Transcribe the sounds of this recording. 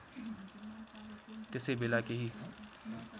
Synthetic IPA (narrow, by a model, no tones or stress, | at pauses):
t̪ɪsebɪlaːkeɦiː